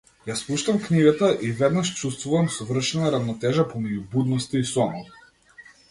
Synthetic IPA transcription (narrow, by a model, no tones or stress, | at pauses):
jaspuʃt̪amkniɡat̪aʔivɛd̪naʃt͡ʃust̪vuvamsɔvr̩ʃɛnaɾavnɔt̪ɛʒapɔmɛɟubud̪nɔst̪aisɔnɔt